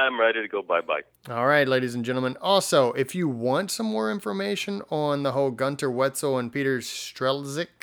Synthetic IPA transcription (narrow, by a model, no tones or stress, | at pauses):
ãɪ̃mɹaɪɾiɾɨɡoʊbaɪba̰ɪ | ɔlˠɹaɪtˡleɪɾiz̃n̩d͡ʒɛ̃ñtl̩ˠmə̃nɔlˠsoʊʔɪfjɨwɑ̃ntsʌ̃mːɔɹɪ̃ɱfə˞meɪʃɨ̃nə̃nðəɦoʊlˠɡʌ̃ntʰə˞wɛtsoʊə̃npiɾə˞sstɹ̥ɛlˠzɪk̚